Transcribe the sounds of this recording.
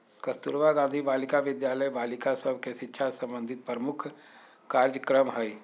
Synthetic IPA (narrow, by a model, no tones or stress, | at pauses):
kəst̪uɾʋaɡãːnd̪ʱibaːlɪkaʋɪd̪jaːləjbaːlɪkasəb̚ʱkeʃɪtːʃʰasɐ̃mbə̃nd̪ʱɪt̪̚pɾəmʊkʰ | kaːɾd͡ʒəkɾəmɦəj